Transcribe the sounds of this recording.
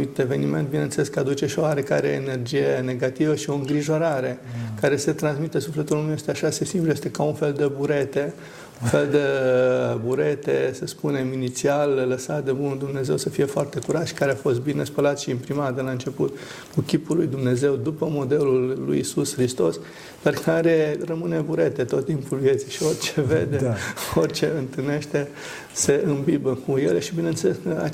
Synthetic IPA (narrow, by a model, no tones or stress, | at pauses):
it̪e̞ve̞nime̞nt̪̚binenseleskəad̪ut͡ʃe̞ʃioaɾeka̰ɾḛene̞rd͡ʒije̞ne̞ɡat̪ivəʃio̞ɨŋɡɾiʒo̞ɾaɾe̞kaɾe̞se̞t̪ɾansmit̪e̞sufle̞t̪ulumjest̪eaʃasesimpluje̞st̪e̞kaunfe̞ld̪e̞buɾe̞t̪e̞ | unfe̞ld̪e | buɾe̞t̪esəspune̞minit̪sialːəsat̪d̪ebunuld̪umne̞ze̞wsəfije̞foart̪e̞kuɾat̪ʃi̥kaɾeafo̞st̪̚binespəlat̪ʃiːmpɾimat̪d̪e̞laɨnt͡ʃe̞put̪ | kukʲipulːujd̪umne̞ze̞wd̪upəmo̞d̪e̞lulːṵjisusxɾist̪o̞s | perkʰaɾerəmɨne̞buɾe̞t̪e̞t̪o̞t̪ːimpulvjet̪siʃio̞rʲt͡ʃevḛd̪eorʲt͡ʃe̞ɨnt̪ɨlne̞ʃt̪e̞ | seʔɨmbibəkʰujeleʃibine̞ɨnseleskəa̰